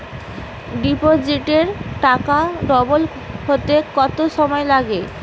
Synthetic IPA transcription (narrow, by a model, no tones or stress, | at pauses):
ɖipod͡ʑiʈeɾʈakaɖɔbol | ɦot̪ekɔt̪oʃɔmɔelaɡe